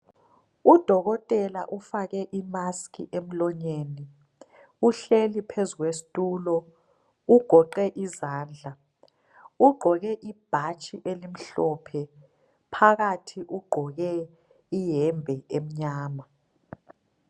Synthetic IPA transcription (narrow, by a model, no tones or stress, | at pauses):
ud̥ʱɔɣɔtʼɛla̰ʔufaɣɛʔimaskḭʔem̩lɔɲeːni | uɬelipʰezuɣwesi̥tʼuːlɔ | uɡ̥ʱɔǃɛʔizaːnd͡ɮʱa | uɡ͡ǃʱɔɣɛʔib̥ʱat͡ʃʼiʔelim̩ɬɔːpʰɛ | pʰaɣatʰiʔuɡ͡ǃʱɔɣɛ | ijɛmbʱɛem̩ɲaːma